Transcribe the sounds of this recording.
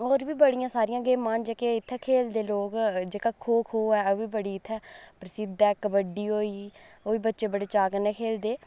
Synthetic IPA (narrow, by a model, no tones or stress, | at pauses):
oːɾʋiːbəɽijãːsaːɾiːãːɡeːmaːnd͡ʒeːkeːɪt̪ʰːɛːkʰeːld̪eːloːkd͡ʒeːkaːkʰoːkʰoːɛːoːʋiːbəɽiːɪt̪ʰːɛːpɾəsɪd̪ɛːkəbəɖiːɦoːiːoːʋiːbətːʃeːbəɽeːt͡ʃaːkəneːkʰeːld̪eː